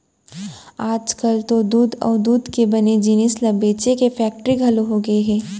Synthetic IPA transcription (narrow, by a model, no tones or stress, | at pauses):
aːd͡ʒkɐlt̪od̪uːd̪ɔ̰ːɾd̪uːd̪ʱkebɐned͡ʒinɪslɐbeːt͡ʃekefɛːk̚ʈəɾiɡʱɐloɦoɡɐeɦɛː